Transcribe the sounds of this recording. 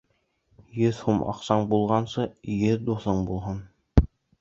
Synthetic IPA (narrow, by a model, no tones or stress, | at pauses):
jɵðhumʔɑ̰qsɑɴbulˠʁɑnsɤjɘðd̪uθɤɴbulˠɦɤn